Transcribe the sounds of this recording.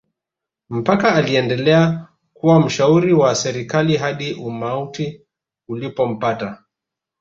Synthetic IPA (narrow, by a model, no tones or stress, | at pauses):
m̩pakaːliɛndɛlɛa | kuwam̩ʃauɾiwasɛɾikaliɦaɗiʔumauti | ulipɔm̩pata